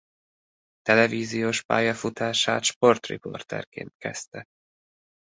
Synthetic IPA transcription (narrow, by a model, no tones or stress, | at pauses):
t̪ɛlɛviːzijoːʃpa̰ːjɒfut̪aːʃaːt̪ʃpo̞rt̪rḭpo̞̰rt̪ɛ̰rkḛːnt̪kɛst̪ɛ